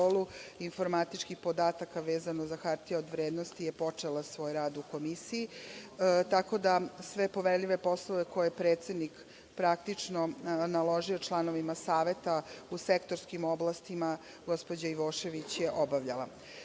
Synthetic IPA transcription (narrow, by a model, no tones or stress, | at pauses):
oluinfo̞ɾmat̪it͡ʃkixpo̞d̪aːt̪akaʋeːzanozaxaɾt̪ieod̪ʋɾeːd̪nost̪ijepo̞t͡ʂelasʋo̞ːjɾaːd̪uko̞misiji | t̪ako̞d̪asʋe̞po̞ʋeɾʎʲiʋepo̞sloʋeko̞jepɾeːt̪sed̪nik | pɾak̚t̪it͡ʂnonalo̞ʒio̞t͡ʃlˠano̞ʋimasaːʋe̞t̪ausekt̪o̞ɾskimoblˠast̪ima | ɡo̞spod͡ʑaiʋoːʃe̞ʋit͡ɕjeʔobaʋʎalˠa̰